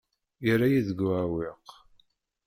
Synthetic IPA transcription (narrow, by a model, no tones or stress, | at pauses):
jəɾajiðəɡʕawɪq